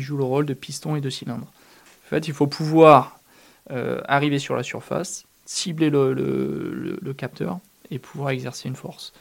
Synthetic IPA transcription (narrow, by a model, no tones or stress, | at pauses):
ʒuləʁold̪əpʰist̪ɔ̃ed̪əsilɛ̃d̪ʁ | ɑ̃fɛt̪ilfopʰuvwaʁ | ø̰aʁivesyʁlʔasyʁfa̰sː | iblelələ̰lə̰ləkap̚t̪ʰœ̰ʁ | epʰuvwaʁɛɡzɛʁseynfɔʁs